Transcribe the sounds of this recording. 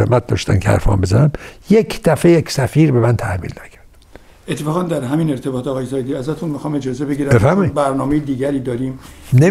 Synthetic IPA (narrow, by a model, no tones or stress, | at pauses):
ḛmæt̪̚d̪ɒ̰ːʃt̪æ̰nkʰehæ̰ɾfɒ̰ːmbezænæmjekʰd̪̥æfejecʰsæfiːɾbemænt̪ʰæhmḭːlnæcʰæ̥ɾd̥̪ | et̪ʰːefɒːɣɑnd̪æɾɦæmiːne̞ɾt̪ʰe̞bɒːt̪ɒːɣɒːjesɒːjed̪iːæzæt̪ʰunmixɒːmed͡ʒɒːzebeɡiːɾæbefæɾmɒibæɾnɒːmejed̪iːɡæɾiːd̪ɒːɾimne